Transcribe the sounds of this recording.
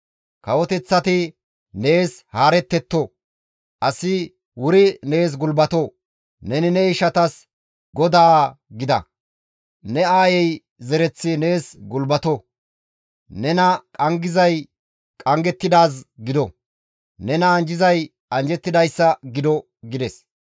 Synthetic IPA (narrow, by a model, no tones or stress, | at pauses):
kɐwɔt̪ɛt͡sːɐt̪ɪ | ne̞ːshaːɾɛt̪ːɛt̪ːɔ | ʔɐsɪ | wʊɾɪne̞ːs̬ɡʊlbɐt̪ɔ | nɛnɪnɛɪʃɐt̪ɐs | ɡɔd̪aːɡɪd̪ɐ̰ | nɛaːjɛj | zɛɾɛt͡sːɪne̞ːsɡʊlbɐt̪ɔ | nɛnɐkʼɐŋɡɪzɐj | kʼɐŋɡɛt̪ːɪd̪aːs̬ɡɪd̪ɔ | nɛnɐːnd͡ʒɪzɐj | ɐnd͡ʒɛt̪ːɪd̪ɐjsːɐɡɪd̪ɔ | ɡɪd̪ɛs